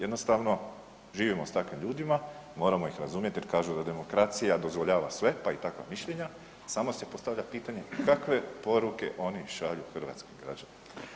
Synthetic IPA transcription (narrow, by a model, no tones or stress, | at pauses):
jed̪no̞st̪aʋno̞ | ʒiːʋimo̞st̪akʋimʎuːd̪imamo̞ːɾamo̞ixɾazuːmje̞t̪jeɾkaːʒud̪ad̪e̞mo̞kɾat̪sijad̪o̞zʋoʎaːʋasʋe̞pait̪akʋa̰miʃʎe̞ɲa | samo̞se̞po̞st̪aʋʎapiːt̪aɲe̞kakʋe̞po̞ɾuke̞̰ʔo̞niʃaʎuxr̩ʋa̰ːt̪skiɡɾa̰d͡ʒanim